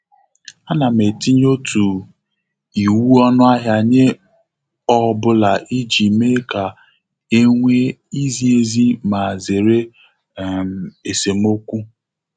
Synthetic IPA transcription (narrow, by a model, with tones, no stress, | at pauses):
a˦na˨m̩˨e˨ti˦ɲ˦o˦tʰu˨ | i˨wu˦ɔ˦nʊ˦a˦ɦja˦ɲe˦ | ɔ˦bʊ˦la˨ʔi˦d͡ʒi˨me˦ka˨ | e˦ŋʷe˦i˦zi˦e˦zi˦ma˨ze˨ɾe˦˨ | m˨e˨se˨m̩˦o˦kʷu˦